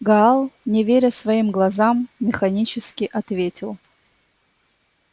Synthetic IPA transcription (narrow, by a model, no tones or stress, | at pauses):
ɡɐalˠnʲɪvʲeɾʲəsvɐimɡlˠɐzamːʲɪxɐnʲit͡ɕɪskʲɪʔɐt̪vʲetʲɪlˠ